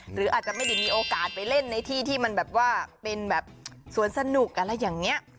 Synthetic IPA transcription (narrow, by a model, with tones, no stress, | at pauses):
ɾɯː˩˦ʔaː˨˩t̪̚t͡ɕa˨˩ma˥˩jda˥˩jmiː˧ʔoː˧kaː˨˩t̪̚pa˧jle˥˩nːa˧jt̪ʰiː˥˩t̪ʰiː˥˩ma˧nbɛː˨˩p̚waː˥˩pe˧nbɛː˨˩p̚su˨˩˦ənsa˧nu˨˩k̚ka˧˩lɛ˦˥jaː˨˩ŋni˦˥ɐ